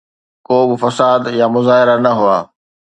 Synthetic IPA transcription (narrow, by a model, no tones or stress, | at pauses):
koːbɪfɐsaːd̪jamʊzaːɦɪɾanɐɦʊaː